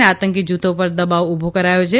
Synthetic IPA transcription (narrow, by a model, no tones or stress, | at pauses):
eat̪əŋkid͡ʒut̪ʰopəɾd̪əbaʋʊbʱokəɾajot͡ʃʰe